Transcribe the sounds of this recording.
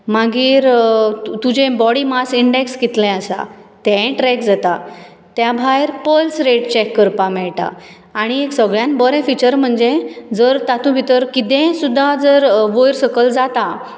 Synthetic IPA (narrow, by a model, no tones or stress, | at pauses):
maɡiːɾut̪ud͡ʑẽbɔɽimasiɳɖekskit̪lɛ̃əsa̰t̪ɛ̃ʈɾɛk̚d͡zat̪a | t̪jabʱajɾpəlsɾeʈ̚t͡ɕɛkːəɾpãmɛɭʈa̰ː | ɽ̃ieksəɡɭjãnbəɾɛ̃fit͡ɕəɾm̤əɳd͡ʑed͡zəɾt̪at̪ũbʱit̪əɾkit̪ɛ̃sud̪ʱːad͡zəɾʋojɾsəkəld͡zat̪a